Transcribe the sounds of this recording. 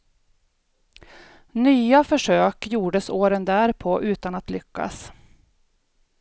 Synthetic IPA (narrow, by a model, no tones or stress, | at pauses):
nyːafœʂøːkjuːɖəsoːɾənd̪æːɾpʰɔʔʉ̟ːt̪anat̪lʏkːa̰s